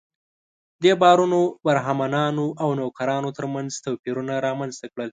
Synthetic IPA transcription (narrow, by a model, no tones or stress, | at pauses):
d̪ebɑɾunobaɾɦamanɑnoʔawnokaɾɑnot̪əɾmanzt̪apiɾunaɾɑmanzt̪akɽəl